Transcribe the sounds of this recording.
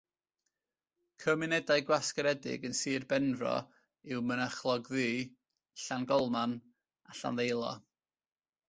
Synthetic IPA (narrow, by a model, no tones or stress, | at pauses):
kʰəmɪnɛdaɨɡwaskəɾɛdɪ̰ɡənsiːrbɛnvrɔ̰ | ɪwmənəχlˠɔɡðiː | ɬanɡɔlˠman | aɬa̰nðejlˠɔ̰